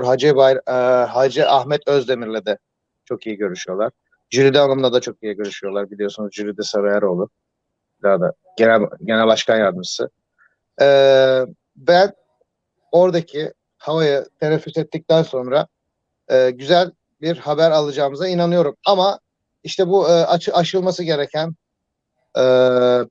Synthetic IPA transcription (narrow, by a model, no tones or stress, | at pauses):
ɾɦad͡ʒɛbajɦad͡ʒɛʔahmɛt̪øzd̪e̞miɾlʲɛd̪ɛ | t͡ʃʰo̞kijiɟø̞ɾyʃyjo̞lˠaɾ̥ | d͡ʒyɾid̪ɛanˠamlad̪at͡ʃʰo̞kijiɟø̞ɾyʃyjo̞lˠaɾbilʲijo̞sunuzd͡ʒyɾid̪ɛsaɾajaɾo̞lˠʊ | id̪ad̪a | ɟenæɟenælʲbaʃkʰanjaːɾd̪ɯmɯsɯ̰ | ɛː | bæn | o̞ɾd̪acʰi | havajɯt̪ʰeɾɛfːyt̪ɛt̪ʰːic̚t̪ʰænso̞nɾa | ɯːɟyzælʲ | biɾhabæɾalˠɯd͡ʒaːɯmɯzainanɯjo̞ɾumama | iʃt̪ʰɛbuːat͡ʃɯat͡ʃɯlˠmasɯɟe̞ɾecʰæn | ɛː